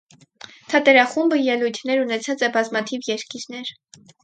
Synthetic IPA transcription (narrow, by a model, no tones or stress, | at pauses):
t̪ʰɑt̪ɛɾɑχumbəjɛlujt̪ʰnɛɾunɛt͡sʰɑt͡sɛbɑzmɑt̪ʰivjɛɾkiɾnɛɾ